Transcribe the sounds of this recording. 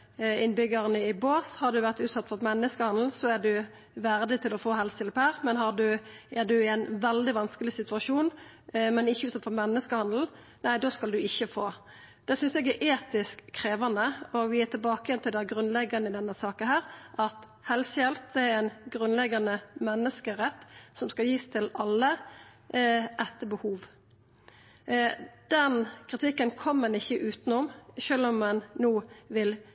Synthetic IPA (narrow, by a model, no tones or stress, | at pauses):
ɪnbʏɡəʁənəɪboːshɑd̪ʉʋæʁt̪ʉːt̪sɑt̪ːfɔɾmɛnːəskəhɑnd̪l̩sɔæd̪ʉ | ʋæɾd̪ɪt̪ʰɪlɔfoːɦɛlsjɛlphæːɾmɛnɦɑd̪ʉʔɛd̪ʉɪænʋɛld̪ɪʋɑnskəlɪsɪt̪ʉɑʂuːnmɛnɪçːəʉːt̪sɑt̪fɔɾmɛnːəskəhɑnd̪l̩ | næɪd̪oːskɑld̪ʉɪçːəfoː | d̪̥ɛsʏnsɛɡæɾʔeːt̪ɪskʰːɾeːʋɑnd̪əɔʋɪæt̪ʰɪlbɑːkəjɛnt̪ʰɪld̪ɛɡɾʉnlɛɡːɑnəɪd̪ɛnːəsɑːkənhæːɾʔɑt̪ | hɛlsjɛlt̪̚d̪ɛæɾɛnɡɾʉnlɛɡːɑnəmɛnːəskəɾɛt̪ːsɔmskɑljiːst̪ʰɪlɑlːə | ʔɛt̪ːəbəhuːʋ | d̪̥ɛnkʰɾɪt̪ʰɪkːənkʰɔmːɛnɪçːəʔʉːt̪nʊmʃøːlɔmːɛnːuːʋɪl